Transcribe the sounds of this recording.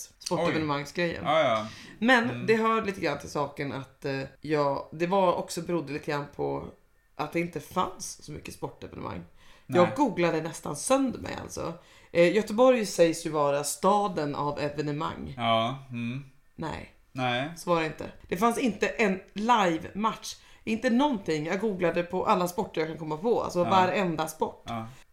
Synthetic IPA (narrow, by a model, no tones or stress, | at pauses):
spɔʈːɛvɛnəmaŋːsɡɾɛjːə̰n | mɛnd̪ɛɦaːɾliːt̪əɡɾant̪ʰɪlsɑːkənat̪jɑːɡd̪ɛvaɔksɔbɛɾʊd̪ːəliːt̪əɡɾanːpʰɔ | ʔat̪̚d̪ɛɪnt̪əfa̰nsːɔmʏ̰kːəspɔʈːɛvɛnə̰mʔa̰ŋːjɑːɡɡuːɡlad̪ənɛst̪a̰nsœnd̪mɛ̰ja̰lt̪sɔ̰ | jœt̪əbɔɾjsɛjsjɵvɑːɾast̪ɑːd̪ənʔa̰vɛvɛnɛma̰ŋː | nɛ̰ɪ | soːvaɾɛɪnt̪ə̰d̪̥ɛfansɪnt̪əʔɛnlajvmat̪ʂɪnt̪ənɔnt̪ʰɪŋːjɑːɡuːɡlad̪əpʰɔʔalːaspɔʈːəɾjɑːkankʰɔmːapʰɔa̰lsɔvaɾɛnd̪aspɔʈː